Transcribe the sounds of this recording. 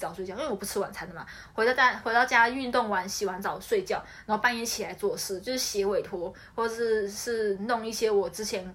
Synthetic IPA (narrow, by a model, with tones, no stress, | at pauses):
t͡sɑ˨˩ʊswe˥˧ɪt͡ɕwɔ˨˩pu˧˥t͡s̩ʰ˥wa˨˩nt͡sʰa˧˥nd̪ə˨˩ma˨˩ | we˧˥˧t͡ɕa˥xwe˧˥ɪt̪ɑ˥˧ʊt͡ɕja˥˧y˥˧nt̪ʊ˥˩ŋwa˧˥nɕi˨˩xwa˧˥nt͡sɑ˨˩ʊswe˥˧ɪt͡ɕjɑ˥˩ʊna˨˦˥o˥˩pa˥˧njɛ˧˥nt͡ɕʰi˨˩la˧˦ɪt͡swɔ˥˧ʂɻ̩˥˩t͡ɕjo˥˧ʊʂɻ̩˥˩ɕjɛ˧˥we˨˩ɪt̪ʰwɔ˧˥ | wɔ˥˩˨ʂɻ̩˥˩ʂɻ̩˥˩nʊ˥˧ŋi˥˩ɕjɛ˥wɔ˨˩ʈ͡ʂɻ̩˥t͡ɕʰjɛ˧˦n